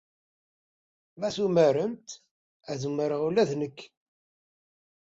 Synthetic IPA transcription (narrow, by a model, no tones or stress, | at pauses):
mæθuməɾənt̪ | æðumːəɾəʁulæðnəkː